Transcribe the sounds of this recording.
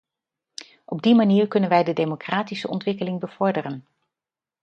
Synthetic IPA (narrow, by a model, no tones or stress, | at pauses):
ʔɔb̚dimaniːɹkɵnənʋɛjdədejmokraːtisəʔɔ̰ntʋɪkəlɪŋbəv̥ɔɹdərən